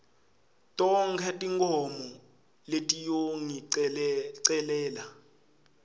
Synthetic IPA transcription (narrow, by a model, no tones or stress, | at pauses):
tʼɔŋkʰɛtʼiŋkʰɔmɔ | letʼijoŋiɛǀɛlɛːla